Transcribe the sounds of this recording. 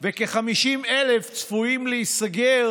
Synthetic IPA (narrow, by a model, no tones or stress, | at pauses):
vekeχamiʃimeleft͡sfuimleisaɡe